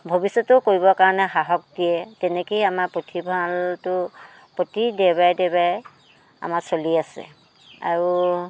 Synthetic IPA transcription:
bʱobisɔtʊkoɹibɔkaɹɔnɛxaɦɔk̚dijɛtɛnɛkejamaɹpɹotʰibʱaltʊ | potidɛbajdɛbaj | a̰masoliasɛ̰ | a̰ɹu

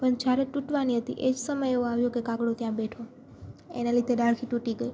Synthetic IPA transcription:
pəɳd͡ʒaɾeʈuʈʋaniɦət̪ḭʔed͡ʒsəməjeũaʋjokekãɡɽot̪jãbeʈʰo | ḛnalid̪edaɭkʰiʈuʈiɡəi

